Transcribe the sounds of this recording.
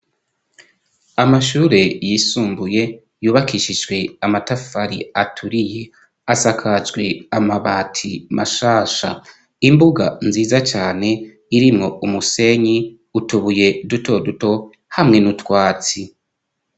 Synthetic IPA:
amaʃuːɾe̞jisuːmbuje̞ | juːβakiʃid͡ʒɡwe̞amatafaɾḭatʰuɾije | asakʰad͡ʒɡwe̞amaβatʰimʔaʃaːʃa̰ | imbuɡa̰nziːzat͡ʃaːne̞ | iɾimŋo̞umuse̞ɲi | utuβuje̞duto̞duto̞ | hamŋe̞nutwaːt͡si

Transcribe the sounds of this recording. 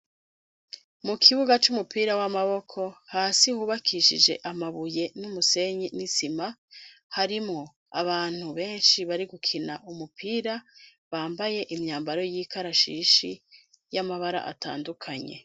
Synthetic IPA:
mukʰiβuɡat͡ʃumupiːɾawamaβo̞kʰo̞haːsihuːβakʰiʃid͡ʒe̞̰ʔamaβuje̞numuse̞ɲinisimahaɾimŋo̞ | aβaːn̥huβe̞ːnʃiβaɾiɡukʰinaʔumupʰiːɾa | βaːmbaje̞ʔimɲaːmbaɾo̞jiːkʰaɾaʃiːʃi | jamaβaɾa̰ʔa̰ta̰ːndukʰaɲe̞̰

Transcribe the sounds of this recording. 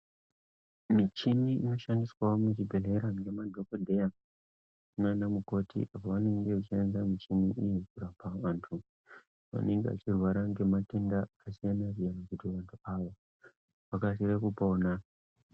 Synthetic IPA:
mit͡ʃimiino̞ʃandiswaomut͡ʃibʱe̞le̞ɾaŋɡe̞madʱo̞kodʱe̞ja | unanamuko̞tḭʔapoʋane̞ŋɡe̞at͡ʃienzamit͡ʃimiʔijikuɾapaʋaːntʰu | ʋa̰ne̞ŋɡea̰t͡ʃirwaɾaŋɡe̞matendaːsijanarijanakutiʋantʰuaːʋo | ʋakasirekupoːna

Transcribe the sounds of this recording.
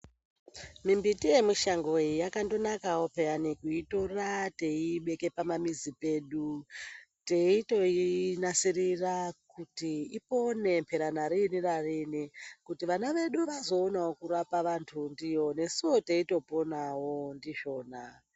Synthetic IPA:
mimbitije̞muʃaŋɡo̞ijakando̞nakawo̞peanikuitorate̞iɓe̞ke̞pamamizipe̞ːɗu | te̞ito̞inasirirakutiipo̞ne̞mpʰe̞ɾanaɾinirarinikutiʋanaʋe̞ɗuʋazo̞ːnawokuɾapaʋantʰundijo̞ne̞siwo̞teito̞po̞nawo̞ndiʒo̞ːna

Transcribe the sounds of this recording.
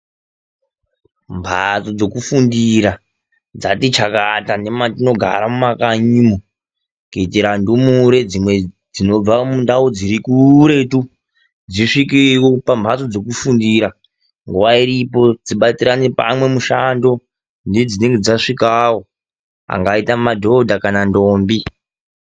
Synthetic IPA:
mbʱa̰t͡so̞d͡zo̞kufundiɾa | d͡zatit͡ʃakatane̞matino̞ɡʱa̰ɾamumakaɲiːmo | keteɾandumuɾe̞d͡zimwe | d͡zino̞b͡vamundaud͡ziɾikuɾe̞tu | d͡ziʂikiwopambʱaso̞d͡zo̞k̬ufundiɾa | ŋɡuwaiɾipo̞d͡ziɓat͡siɾanepa̰mwe̞muʃando̞ | nded͡zine̞ŋɡe̞d͡zaʂikawo̞ | a̰ŋɡaitamadʱo̞dʱakanandoːmbi

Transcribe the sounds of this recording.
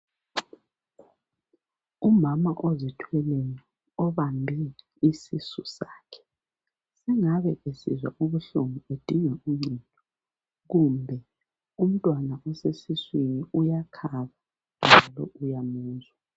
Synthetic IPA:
umamaʔozitʰwɛleni | ɔβambʱɛ | isisusaːkʰɛ̥ | sɛŋaβɛesizwaʔuβuɬuŋued̥ʱiŋɛujintʼɔ | ɣumbʱɛ | um̩tʼwanaʔɔsesiswiniujakʰaβa | nd͡ʒʱalɔʔujamuːzwa

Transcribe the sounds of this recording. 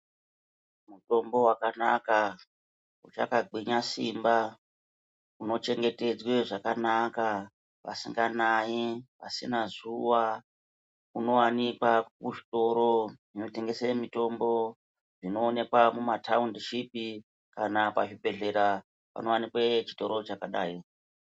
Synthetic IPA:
muto̞mbo̞wakanaka | ut͡ʃa̰kaɡ͡bʱiɲasimba | uno̞t͡ʃe̞ŋɡe̞te̞d͡zwe̞ʐakanaka | ʋa̰siŋɡanajiʋa̰sinazuwa | uno̞wanikwakuʐito̞ɾo̞ʐino̞te̞ŋɡe̞semito̞mbo̞ | ʐino̞ːne̞kwamumatʰaundiʃipi | kanapaʐibe̞ɮe̞ɾa | pa̰no̞wanikwet͡ʃi̥to̞ɾo̞t͡ʃakaɗa̰ːi

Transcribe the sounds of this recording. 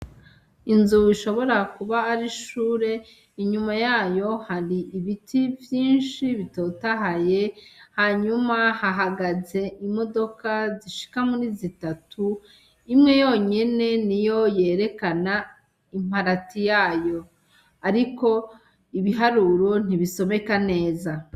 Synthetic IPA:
inzuiʃo̞βo̞ɾakuβaːɾiʃuːɾe̞ | iɲumajaːjo̞haɾiʔːβitʰivjiːnʃiβito̞taɦaje̞haɲumahaɦaɡaze̞ʔimo̞do̞kaziʃi̥kamuɾizitatʰu | imŋe̞jo̞ɲe̞ne̞nijo̞je̞ːɾe̞kana | im̥aɾatijaːjo̞ | aɾiko̞ | iβiɦaɾuɾo̞n̥iβiso̞βe̞kane̞ːza

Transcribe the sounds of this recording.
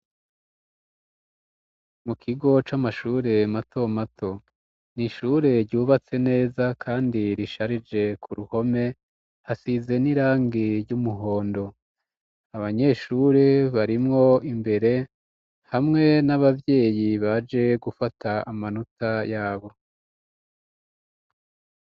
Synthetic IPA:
mukʰiɡo̞t͡ʃamaʃuːɾe̞matʰo̞matʰo̞ | niʃuɾe̞ɾɟuːβat͡se̞ne̞ːzakʰaːndiɾiʃaɾid͡ʒe̞kʰuɾuho̞me̞ | hasize̞niɾaːŋɡiɾjumuɦo̞ːndo̞ | aβaɲe̞ːʃuɾeβaɾimŋo̞imbe̞ɾe̞ | hamŋe̞naβavje̞ːjiβad͡ʒe̞ɡufatʰaamanutajaːβo̞

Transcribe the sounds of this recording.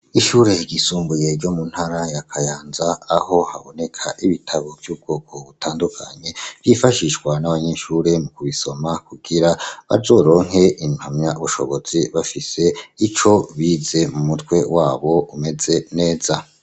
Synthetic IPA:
iʃuːɾe̞ɟisuːmbuje̞ɾɟomun̥haɾajakʰajaːnzaːho̞ha̰βo̞ne̞kʰaʔiβitʰaβovjuːb̚ɡo̞ːkʰoβutʰaːndukʰa̰ɲe̞v̥jifaʃiʃɡwanaβaɲeʃuːɾe̞mukuβiso̞makuɡ̥iɾaβa̰zo̞ːɾo̞ːŋ̥he̞ʔin̥hamɲaβuʃo̞̰βo̞z̥iβafise̞it͡ʃo̞βiːze̞mumutkwe̞waːβo̞ume̞ze̞ne̞ːz̥a

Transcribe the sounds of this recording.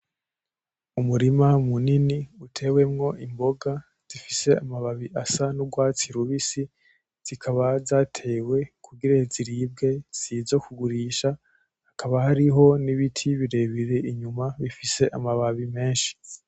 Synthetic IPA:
umuɾimamuniniutʰe̞ːwe̞mŋo̞ʔimbo̞ɡa | z̥ifise̞amaβaβiʔasanuɡwaːt͡siɾuβisi | z̥ikʰaβazaːtʰe̞we̞kʰuɡiɾaziɾiːb̚ɡe̞z̥izo̞kuɡuɾiːʃa | hakʰaβahaɾiɦo̞niβitʰiβiɾe̞βiɾe̞ʔiɲumaβifise̞ʔamaβaβime̞ːnʃi̥

